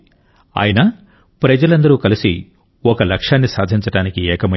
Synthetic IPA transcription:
a̰ːjɐnɐ | pɾɐd͡ʒɐlɐnd̪ɐɾuːkɐlisi | ɔkɐlɐkʂaːnːisaːd̪ʱiɲt͡ʃɐʈaːnikiɛːkɐmɐ

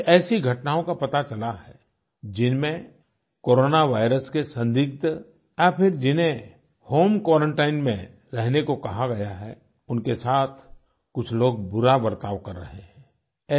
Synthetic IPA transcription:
ʔɛːsiɡʱɐʈnaːõkapɐt̪at͡ʃɐlaɦɛ | d͡ʒɪnmẽ | koːɾoːnaʋaːɪɾəskesɐ̃nd̪ɪɡ̚t̪ | japʰɪɾd͡ʒɪnɦẽ | hoːmkwaːɾə̃ɳʈaːɪnmḛ̃ | ɾɛɦnekokɐɦaɡɐjaɦɛ | ʊnkesaːt̪ʰ | kʊt͡ʃʰloːɡ̚bʊɾaʋɐɾt̪aːʋkɐɾːɐ̰ɦeɦɛ̃ː | ɛː

